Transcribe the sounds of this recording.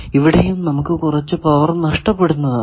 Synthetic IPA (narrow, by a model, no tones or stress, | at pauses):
iʋiɽejumnɐmukːɨkurɐt͡ɕːɨpɐʋɐrnɐʂʈɐpːe̞ɽunːɐðɐ